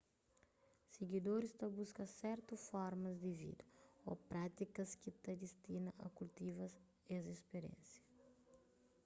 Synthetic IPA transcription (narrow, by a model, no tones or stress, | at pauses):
seɡid̪oɾist̪ɐbuskɐsɛɾt̪usfɔɾmɐzd̪ɪvḭd̪ɐo̰pɾat̪ikɐskit̪ɐd̪ist̪inɐʔɐ̰kult̪ivɐs | eɐzespeɾḛ̃nsjɐ̥